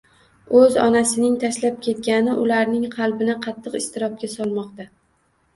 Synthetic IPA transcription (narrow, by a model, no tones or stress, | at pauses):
ɵzɒ̰nasɪnɪŋt̪ʰaʃlap̚kʲʰe̞t̪̚kʲanɪʔʊlaɾnɪŋqʰɑlˠbɪnɪqʰɑt̪ʰːɨqɪst̪ɪɾɒp̚kʲasɒlˠmɒqt̪a